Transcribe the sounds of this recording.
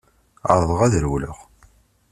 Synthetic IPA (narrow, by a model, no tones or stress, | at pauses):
ə̰ɾˤðˤəʁæðɾwlʊ̰χ